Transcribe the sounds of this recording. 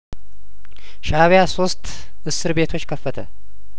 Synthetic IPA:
ʃaβjaso̞st̪ | ʔɨsːɨɾbe̞t̪ʰo̞t͡ʃːkʰəfːət̪ʰə

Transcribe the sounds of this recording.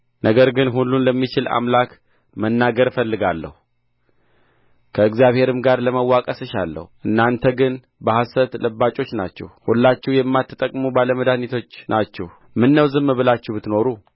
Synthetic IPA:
nəɡəɾɡɨnɦulːunləmːit͡ʃɪla̰mlak | mənːaɡəɾfəlːɨɡalːə̰hu | kʰəɨkzjaβhe̞ɾɨmɡaɾləməwːakʼəsɨʃalːə̰huʔɨnːant̪ʰəɡɨn | bəhasət̪ləbːat͡ʃʼo̞t͡ʃːna̰t͡ʃːɛ̰hhulːat͡ʃːɛwjɛmːat̪ʰːɨt̪ʼəkʼmubaləməd̪anit̪ʰo̞t͡ʃːnat͡ʃːɛh | mɨnːəwzɨmːβɨlat͡ʃːɛwbɨt̪no̞ɾu

